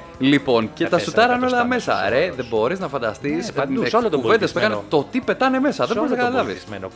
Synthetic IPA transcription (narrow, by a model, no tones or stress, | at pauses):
lipo̞nce̞t̪ɐsut̪ɐɾɐno̞lɐme̞sɐ̰ɾe̞ðebo̞ɾiznɐfɐnd̪ɐ̰st̪iskuve̞nd̪espeɣɐnet̪o̞t̪ipe̞t̪ɐneme̞sɐðebo̞ɾiznɐkɐt̪ɐlɐvḭs